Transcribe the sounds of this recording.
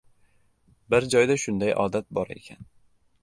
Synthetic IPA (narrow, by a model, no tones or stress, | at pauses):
bɪɾd͡ʒɒjd̪aʃʊnd̪ajʔɒ̰ːd̪at̪̚bɒɾḛkʲʰa̰n